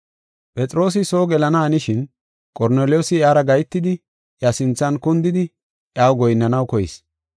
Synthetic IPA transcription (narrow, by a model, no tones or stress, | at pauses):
pʼɛt͡sʼɾo̞ːs̬ɪso̞ːɡɛlɐnɐːnɪʃɪn | kʼɔɾneːlɪjoːsɪjaːɾɐɡɐjt̪ːɪd̪ɪ | ʔjasɪnt͡sːɐnkʊnd̪ɪd̪ɪ | ʔjaːwɡɔjnːɐnɐwkɔjɪ̰s